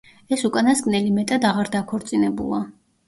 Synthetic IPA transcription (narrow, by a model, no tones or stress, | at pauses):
ɛsukʼanasɡʼnɛlimɛt̪ʼad̪aʁaɾd̪akʰɔɾt̪sʼinɛbṵlˠa